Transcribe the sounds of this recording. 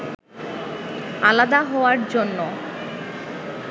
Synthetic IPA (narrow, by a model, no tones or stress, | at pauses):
alad̪aɦɔoaɾd͡ʑonːo